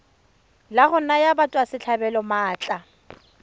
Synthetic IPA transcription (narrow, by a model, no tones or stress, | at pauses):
laɣʊnajabatʼwasɪt͡ɬʰabɛlɔmaːt͡ɬʼa